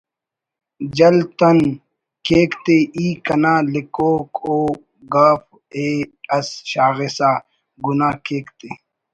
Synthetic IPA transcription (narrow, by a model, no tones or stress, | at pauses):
d͡ʒɐlt̪ɐn | keːkt̪eiːkɐnaːlikoːkoː | ɡaːf | eːɐsʃaːɣesaː | ɡunaːkeːkt̪eː